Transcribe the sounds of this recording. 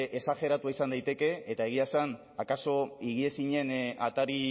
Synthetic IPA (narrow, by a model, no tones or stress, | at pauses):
ʔesaxe̞ɾat̪uaisand̪ajt̪e̞ke̞ːt̪ae̞ɣ̞iasan | akaso̞iɣ̞ie̞siɲe̞nat̪aɾi